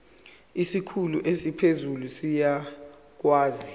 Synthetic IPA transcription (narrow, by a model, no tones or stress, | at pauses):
isikʰuluʔesipʰezulusija | k̬waːzi